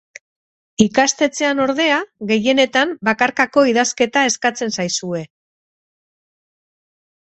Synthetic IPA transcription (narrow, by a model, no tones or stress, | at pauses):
ikast̪e̞t͡se̞ano̞ɾðe̞aɣe̞je̞ne̞t̪ambakaɾkako̞iðaske̞t̪ae̞skat͡se̞nsajsue̞